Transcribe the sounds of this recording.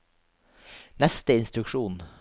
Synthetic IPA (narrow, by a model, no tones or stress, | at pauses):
nɛst̪əɪnst̪ɾʉkʃuːn